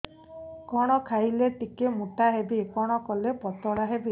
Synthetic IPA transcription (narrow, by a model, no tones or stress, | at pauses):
kɔɽ̃ɔkʰajleʈikemuʈaɦebikɔɽ̃ɔkɔlepɔt̪ɔɽaɦebi